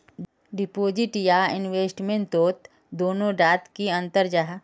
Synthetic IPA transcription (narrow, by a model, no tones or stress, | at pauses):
ɖɪpoːd͡ʒɪʈjaɪnʋeːsʈmẽɳʈ̪oːt̪ | d̪oːnõɾaːt̪kiə̃nt̪əɾd͡ʒaɦ